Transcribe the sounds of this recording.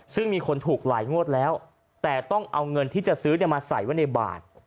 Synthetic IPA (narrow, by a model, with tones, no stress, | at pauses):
sɯ˥˩ŋmiː˧kʰo˧nt̪ʰuː˨˩k̚laː˩˦jŋu˥˩ət̪̚lɛː˦˥w | t̪ɛː˨˩t̪ɔ˥˩ŋʔa˧wŋɤ˧nt̪ʰiː˥˩t͡ɕa˨˩sɯː˦˥na˧jmaː˧sa̰˨˩˦jwa˥˩jna˧jba̰ː˨˩t̪̚